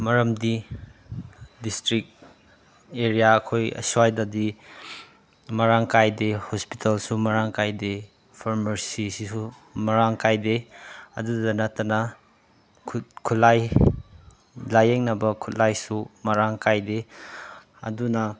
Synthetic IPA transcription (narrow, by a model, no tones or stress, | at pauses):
mɐɾɐmdi | distɾik̚ | eɾijaɐkʰojɐ̰suwajdadi | mɐɾaŋkajdehospi̥tʰɐlsumɐɾaŋkajde | pʰaɾmɐɾsisisu | mɐɾaŋkajdeɐ̰dudɐnɐtːɐnɐ | kʰkʰulaj | lajeŋnɐbɐkʰutlajsumɐɾaŋkajde | ɐ̰dunɐ